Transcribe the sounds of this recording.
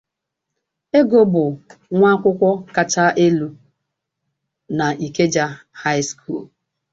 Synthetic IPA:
e˦ɡo˦bʊ˨ŋʷa˦kʷʊ˦kʷɔ˦ka˨t͡ʃa˦ʔe˦lu˦ | na˨ʔi˨ke˦d͡ʒa˦ | ha˦ɪ˦skʰṵ˦˨l

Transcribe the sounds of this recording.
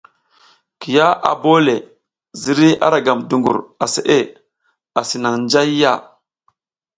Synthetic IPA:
ki˨ja˦ʔa̰˨bo˦le˨ | zi˨ɾi˦a̰˦ɾa˨ɡa˨mdu˨ŋɡṵ˨ɾa˨sḛ˨ʔe˦˨ | a˨si˨na˨ŋnd͡ʒa˦jːa˦˨

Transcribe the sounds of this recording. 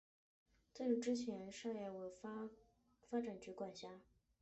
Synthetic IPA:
t͡se˥ɪlu˥˩ʈ͡ʂɻ̩˥t͡ɕʰjɛ˧˥nʂa˥˧ja˥˩we˧˩f | fa˥ʈ͡ʂa˨˩nt͡ɕy˧˥kwa˨˩nɕja˧˥

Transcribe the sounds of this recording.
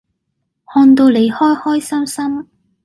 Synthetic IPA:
hɔː˧nt̪o˧wle˨˧jhɔː˥jhɔː˥jsɐ˥msɐ˥m

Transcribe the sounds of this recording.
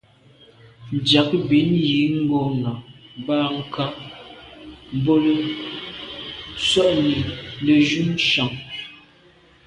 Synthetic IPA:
n̩˨dja˨˦kbi˨˦nji˨˦ŋ̩˦ɡɔ˦na˨baː˦ŋ̩˨kʰa˦ | m̩˨bo˦lə˦ | t͡swɔ˦ʔni˨lə˨ʒu˦n˦ʃa˨ŋ

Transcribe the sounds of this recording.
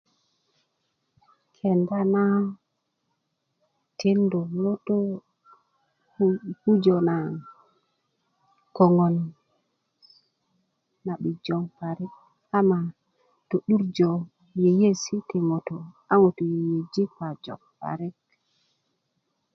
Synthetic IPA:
kʰɛ˨nda˦na˦ | tʰe˦ndɔ˨mɔ˦tɔ˦ | hu˦d͡ʒɔ˨na˨ | kɔ˨ŋɔ˨n | a˨ɓi˨d͡ʒɔ˨ŋpa˨ɾɛ˦k̚ | a˦ma˨ | to˨ɗu˦ɾd͡ʒɔ˨ | je˨je˦si˦tɛ˨mɔ˨tɔ˨ | a˦ŋo˨tɔ˨jje˨d͡ʒi˦ka˨d͡ʒɔ̰˨kpa̰˨ɾɛ˦k̚

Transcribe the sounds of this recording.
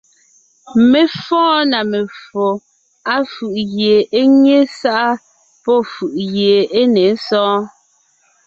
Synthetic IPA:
me˨fɔ̃ː˦na˨me˨fo˨ | a˦fʉ˨ʔɣje˨e˦ɲe˦sa˦ʔa˦ | pɔ˦˨fʉ˨ʔɣje˨e˦ne˨˦sɔ̃ː˦

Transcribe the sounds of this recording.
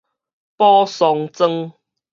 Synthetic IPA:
pɔ˦sɔ˨˧ŋt͡sə˦ŋ

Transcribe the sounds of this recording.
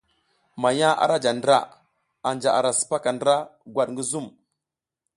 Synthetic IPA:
ma˨ja˦ʔa̰˨ɾa˦d͡ʒa˨ndɾa̰˦˨ | a˨nd͡ʒa˨a̰˨ɾa˨sə̥˨pa˦ka˨ndə˦ɾa˦ɡwa˨ɗŋɡə˦zu˦˨m

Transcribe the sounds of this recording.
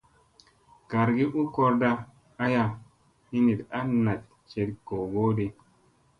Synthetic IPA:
ɡ̥a˨ɾɡi˦ʔu˦ko˦ɾda˦ | a˦ja˦ | hi˦ni˨ta˦na˨t̚ | t͡ʃe˨tko˨ɡo˦di˦

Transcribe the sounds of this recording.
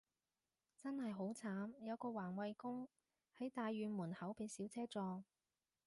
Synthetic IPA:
t͡sɐ˥nhɐ˨jɦo˨˥wt͡sʰaː˨˥mjɐ˨˧wkɔː˧waː˨˩nwɐ˨˧jkʊ˥ŋ | hɐ˨˥jt̪aː˧jːyː˨˧nmuː˨˩nhɐ˨˥wpe˨˧jsiː˨˥wt͡sʰɛː˥t͡sɔː˧ŋ

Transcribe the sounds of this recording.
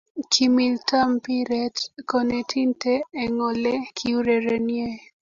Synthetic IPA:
ki˨mi˨lta˦mpi˦ɾɛ˦tkɔ˨ne˨tʰi˦nteː˦˨ŋɔ˨lɛ˦kʰi˦u˦ɾɛ˨ɾe˨nje˦

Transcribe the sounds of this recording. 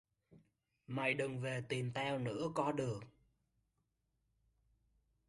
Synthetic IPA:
ma˨˩jɗɨ˨˩ŋve˨˩t̪i˨˩mt̪ʰɛ˧wnɨ̰˧˥əkɔ˨˦ɗɨ˨˩ək̚

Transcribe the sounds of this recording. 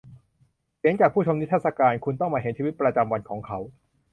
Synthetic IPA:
si˩˦əŋt͡ɕaː˨˩k̚pʰuː˥˩t͡ɕʰo˧ni˦˥t̪ʰːa˥˩sa˧kaː˧nkʰu˧nt̪ɔ˥˩ŋmaː˧ɦe˩˦nt͡ɕʰiː˧wi˦˥t̪̚pɾa˧t͡ɕa˧mwa˧nkʰɔː˩˦ŋkʰa˦˥w

